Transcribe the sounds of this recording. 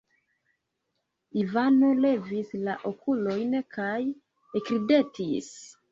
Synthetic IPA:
ivano̞le̞vislaʔokʰulo̞jnkaj | ekɾide̞tʰis

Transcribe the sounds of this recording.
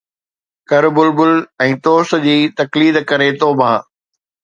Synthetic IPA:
kɐɾbʊlbʊlɛ̃ːt̪oːs̆d͡ʑiːt̪ɐkliːd̪kɐɾet̪oːbʱaː

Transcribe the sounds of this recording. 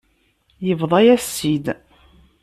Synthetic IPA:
jəvðˤɑjæsːid̪

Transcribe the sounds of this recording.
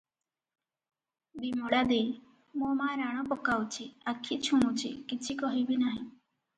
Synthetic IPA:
bimɔɽad̪ej | mumaɾaɽ̃ɔpɔkawt͡ʃʰiakʰːit͡ʃʰumut͡ʃʰḭkit͡ʃʰikɔɦibinaɦĩ

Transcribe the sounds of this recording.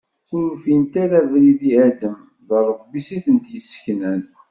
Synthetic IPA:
ʊɾfint̪æɾævɾiðiæd̪əm | ðərˤːəvbisiθənt̪jəsːə̥çnən

